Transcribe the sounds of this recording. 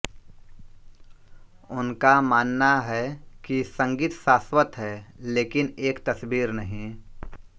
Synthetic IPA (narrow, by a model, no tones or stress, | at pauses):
ʊnkamaːnːaɦɛkisɐ̃ŋɡiːt̪ʃaːswət̪ɦɛleːkɪneːkt̪ɐsbiːɾnɐɦĩ